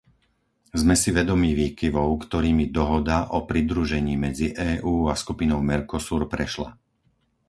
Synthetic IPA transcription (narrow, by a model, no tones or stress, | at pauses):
zmɛsiʋɛd̪ɔmiːʋiːkiʋɔʊkt̪ɔɾiːmid̪ɔɦɔd̪aʔɔpɾid̪ɾuʒɛɲiːmɛd͡ziʔɛːʔuːaskupinɔʊmɛɾkɔsuːɾpɾɛʃla̰